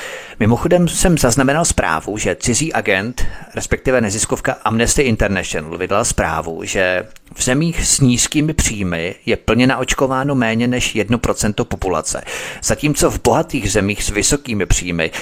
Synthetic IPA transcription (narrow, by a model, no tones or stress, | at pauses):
mɪmo̞xo̞dɛmsɛmzaznamɛnalspɾa̰ːvuʒɛt͡sɪziːʔaɡɛnt̪ɾɛspɛk̚t̪ɪvɛnɛzɪskofkaʔamnɛst̪ɪʔɪnt̪ɛɾnɛʃonl̩vɪdlalspɾa̰ːvṵʒɛvzɛmiːxsɲiːskiːmɪpr̝̥iːmɪjɛpl̩ɲɛnaʔo̞t͡ʃko̞vaːno̞mɛːɲɛnɛʃjɛdnopɾo̞t͡sɛnt̪opo̞pula̰t͡sɛ̰z̥aciːmt͡so̞vbo̞ɦat̪iːɣzɛmiːxsvɪso̞kiːmɪpr̝̥iːmɪ̰